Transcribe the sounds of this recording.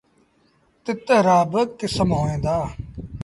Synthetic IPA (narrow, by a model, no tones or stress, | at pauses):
t̪ɪt̪ɾaːbəkɪsəmɦoːẽːd̪aː